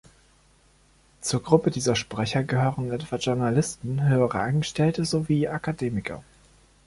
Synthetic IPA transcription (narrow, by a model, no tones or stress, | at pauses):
t͡suːɐɡʁʊpədiːzɐʃpʁ̥ɛçɐɡəɦøːʁənʔɛtv̥aʒʊɐnalɪstn̩ɦøːəʁə̰ʔanɡəʃtɛltəzoviːʔakʰadeːmɪkʰɐ̰